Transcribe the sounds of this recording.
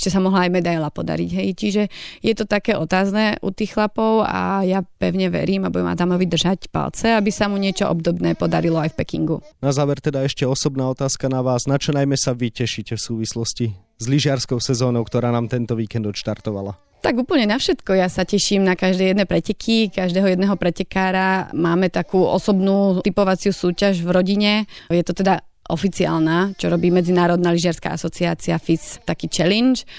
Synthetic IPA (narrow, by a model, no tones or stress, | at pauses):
t͡ʃɛsamɔɦlaːjmɛd̪ajlapɔd̪a̰ɾḭɟɦɛjt͡ʃiʒɛjɛt̪ɔt̪akɛːʔɔt̪aːznɛːʔṵt̪iːxxlapɔʊa̰japɛʊɲɛʋɛ̰ɾiːmabuɟɛmʔa̰d̪amɔʋid̪r̩ʒacpa̰lt͡sɛabisamuɲɪɛt͡ʃɔʔɔ̰bd̪ɔbnɛːpɔd̪aɾilɔajfpɛkḭŋɡunazaːʋɛɾt̪ɛd̪aɛʃcɛɔsɔbnaːɔt̪aːskanaʋaːznat͡ʃɔnajmɛsaʋicɛʃicɛfsuːʋislɔsci | zliʒɪaɾskɔʊsɛzɔːnɔʊkt̪ɔɾaːnaːmt̪ɛnt̪ɔʋiːkɛnd̪ɔt̪ʃt̪aɾt̪ɔʋa̰la | t̪aɡuːpl̩ɲɛnafʃɛt̪kɔjasacɛʃimnakaʒd̪ɛːjɛd̪nɛːpɾɛcɛkʰikaʒd̪ɛːɦɔjɛd̪nɛɦɔpɾɛcɛkaːɾamaːmɛt̪akuːʔɔ̰sɔbnuːt̪ipɔʋat͡sɪusuːcaʒvɾɔɟiɲɛjɛt̪ɔt̪ɛd̪a | ʔɔfit͡sia̰ːlnaːt͡ʃɔɾɔbiːmɛd͡zinaːɾɔd̪naːliʒɪaɾska̰ʔa̰sɔt͡siaːt͡siafist̪akiːt͡ʃɛlint͡ʃ